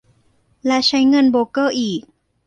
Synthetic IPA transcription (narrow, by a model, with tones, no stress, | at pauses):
lɛ˧˥ʔt͡ɕʰa˦˥jŋɤ˧˨nboː˧kɤː˥˩ʔiː˨˩k̚